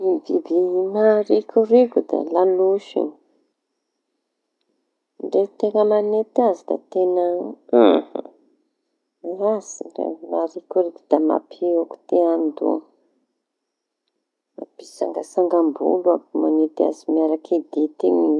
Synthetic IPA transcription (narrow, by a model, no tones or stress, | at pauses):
ibivimaɾikʲurikʲud̪a̰laluʃḭ | ɳɖ͡ʐet̪eŋəmanet̪azid̪a̰t̪enə | rasiḛmaɾikʲuriku̥d̪̥ama̰pʰioku̥t̪eand̪ṵ | mapisa̰ŋɡasaŋɡambṵluabmanet̪a̰zimiaɾakʰad̪it̪imi